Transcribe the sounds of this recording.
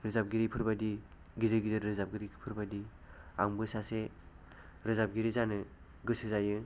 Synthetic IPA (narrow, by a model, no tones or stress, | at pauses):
ɾɯzap̚ɡiɾipʰɯɾbadi | ɡizɯɾɡizɯɾɾɯzap̚ɡiɾipʰɯɾbadi | aŋbɯsase | ɾɯzap̚ɡiɾizanɯ | ɡɯsɯzajɯ